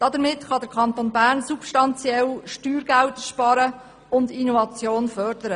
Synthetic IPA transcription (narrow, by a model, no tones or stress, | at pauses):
d̥ɑd̪əɾmɪtχɑd̪əɾkʰɑnt̪onbæːɾnsupʃtɑnt͡sjɛlʃtyːɾɡæwtʃpɑɾə | ʊnd̪inovɑt͡sjoːnfœrd̥əɾə